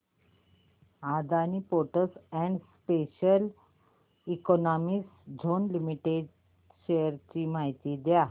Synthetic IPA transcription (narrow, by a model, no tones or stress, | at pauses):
ad̪aniːpoʈəsɛɳɖspeɕəl | ikɔnɔmisd͡ʑʱonlimiʈeɖ | ɕejəɾt͡ɕiːmaɦit̪iːd̪ja